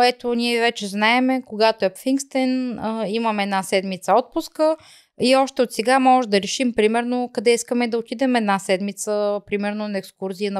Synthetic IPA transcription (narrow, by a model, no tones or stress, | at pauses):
ɛt̪oniɛvɛt͡ʃɛznaɛmɛkoɡat̪oɛpfiŋkst̪ɛnəimɐmɛɛd̪nasɛd̪mit̪səɔt̪̚pʊskə | iɔʃt̪ɛot̪sɛɡamɔʒɛd̪ɐɾɛʃimpɾimɛɾnokɐd̪ɛiskəmɛd̪ɐot̪id̪ɛmɛd̪nasɛd̪mit̪səpɾimɛɾnonɐɛkskuɾziənɐ